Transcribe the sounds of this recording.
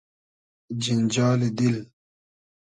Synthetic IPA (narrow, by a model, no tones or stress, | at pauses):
d͡ʑind͡ʑaːlid̪il